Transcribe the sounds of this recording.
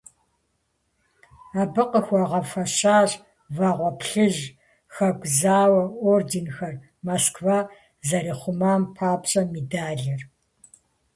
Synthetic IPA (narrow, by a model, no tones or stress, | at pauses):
aːbɨqəxʷɑʁɐfɐɕaːɕ | vaːʁʷɔpʰɬɨʑ | xɐɡʷʼzaːwɐoːrdinxɐr | moskvaː | zɐɾiːχʷʊmaːmpʰaːpɕʼɐmidaːɮɐr